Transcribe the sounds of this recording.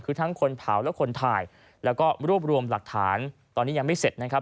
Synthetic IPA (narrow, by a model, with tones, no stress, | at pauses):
kʰɯː˧t̪ʰa˦˥ŋkʰo˧npʰaː˩˦wlɛː˦˥wkʰo˧nt̪ʰaː˧j | lɛː˦˥wkɔː˥˩ɾu˥˩əp̚ɾu˧əmla˨˩k̚t̪ʰaː˩˦nt̪ɔː˧nːiː˦˥ja˧ŋma˥˩jse˨˩t̪̚na˦˥kʰa˦˥